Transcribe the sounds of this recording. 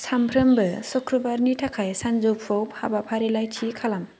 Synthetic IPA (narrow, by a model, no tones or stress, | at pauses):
sampʰɾɯmbɯsukʰɾubaɾnitʰakʰajsanzop̚ʰowphabapʰaɾilajtʰikʰalam